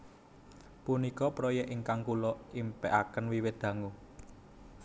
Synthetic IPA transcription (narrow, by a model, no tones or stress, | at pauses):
punikɔpɾɔjɛʔiŋkaŋkulɔimpɛʔakənwiwɪt̪̚d̪̥ä̤ŋu